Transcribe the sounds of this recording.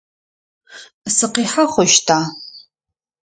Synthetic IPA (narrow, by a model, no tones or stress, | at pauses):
sɨqiːħaχʷɔʃtʰaː